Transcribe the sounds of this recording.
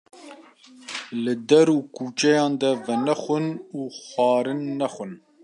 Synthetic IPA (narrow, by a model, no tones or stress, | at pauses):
lɨd̪ɛɾuːkuːt͡ʃɛjɑːnd̪ɛvɛnɛxʷʊnuːxʷɑːɾɨnːɛxʷʊn